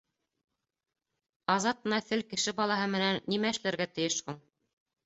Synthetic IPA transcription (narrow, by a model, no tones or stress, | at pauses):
ɑzɑt̪̚ɤ̆nɑθɘlkɘ̆ʃɘbɑlˠɑɦɤmɘ̆nænːimæɘ̆ʃlæɾɡæt̪ɘ̆jɘʃhuɴ